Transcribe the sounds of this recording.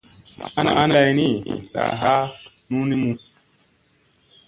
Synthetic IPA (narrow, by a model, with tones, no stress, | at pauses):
a˦na̰˨ʔa˦n˦la˧jni˦˨ta̰˨ɦa˦ | nu˦ni˦mu˧